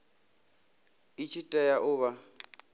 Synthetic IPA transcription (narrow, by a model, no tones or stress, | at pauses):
it͡ʃʰitʼɛjaʔʊβa